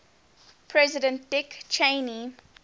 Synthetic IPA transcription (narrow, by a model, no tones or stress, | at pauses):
pʰɹɛzɪdə̃nt̚d̥ɪkt͡ʃʰẽɪni